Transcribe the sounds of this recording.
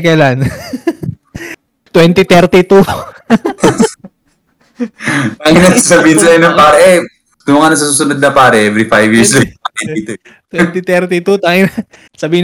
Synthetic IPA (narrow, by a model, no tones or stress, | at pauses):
kɐjlan | t̪wɛnt̪it̪ɛɾt̪it̪u | t̪aŋinɐsɐbiːhɪnsɐɪnɐpaːɾɐʔɛ | k̪ʊmɐŋanɐs̬asuːsʊnod̪̚nɐpaːɾɐʔɛvɾifajvjiɹslɐpɐiit̪o | t̪wɛnt̪it̪ɛɾt̪it̪ut̪aŋɪnɐ | sɐbiːɪn